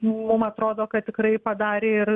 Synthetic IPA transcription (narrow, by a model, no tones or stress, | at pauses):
mʊmɐt̪ɾoːd̪oːkɐt̪̚t̪ʲɪkɾɐɪpɐd̪ɑːɾʲeːɪr